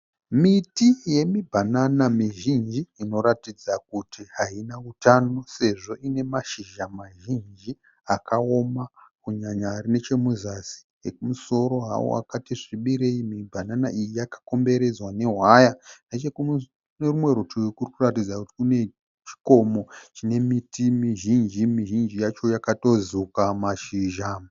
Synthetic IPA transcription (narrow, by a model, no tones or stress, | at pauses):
mitije̞mibʱananamiʒind͡ʒiːno̞ɾatid͡zak̚utʰiɦainautano̞se̞ʐo̞ʔine̞maʃiʒamaʒind͡ʒi | akʰao̞makuɲaɲarine̞t͡ʃe̞muzasi̥jekumuso̞ɾo̞ɦa̰wo̰a̰katiʐiɓiɾe̞imibʱananaʔijijakḁko̞mbe̞ɾe̞d͡zwane̞ɦwajanet͡ʃeku | nerimwe̞rotojokurikuratid͡zakuti̥kune̞ | t͡ʃi̥ko̞mo̞t͡ʃine̞mitimiʒind͡ʒimiʒind͡ʒijat͡ʃo̞jakato̞zukamaʃiʒa